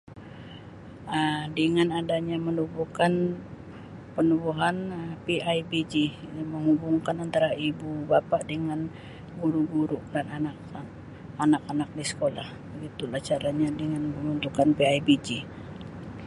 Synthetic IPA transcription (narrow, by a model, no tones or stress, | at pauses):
ədəŋanadaɲamənubukan | pənubuɦanəpiajbid͡ʒiməŋubuŋkanant̪aɾaibubapaʔdəŋan | ɡuɾuɡuɾuʔdananak | anakanak̚disə̥kolahbəɡit̪ulaht͡ʃaɾaɲadəŋanəmunt̪ukanpiaibid͡ʒi